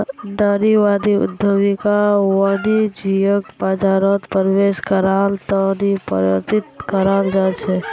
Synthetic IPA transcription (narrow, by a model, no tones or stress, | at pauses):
nəɾiʋad̪iʊ̰d̪ʱːəʋikaʋəɽid͡ʒijək̚pəd͡ʒaɾot̪pəɾʋeʃkəɾalt̪ənipə̰ɾʋə̰ɾt̪it̪kəɾald͡ʒat͡ʃʰe